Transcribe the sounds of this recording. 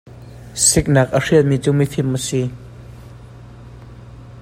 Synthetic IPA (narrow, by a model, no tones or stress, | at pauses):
sik̚naːk̚ʔər̥iəmiːt͡suːmifʰɪmʔəsi